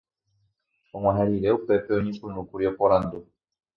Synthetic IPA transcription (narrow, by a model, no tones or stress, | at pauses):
ɔŋʷwaɦɛɾiɾɛupɛpɛoɲĩkunukuɾjɔkɔɾan̩do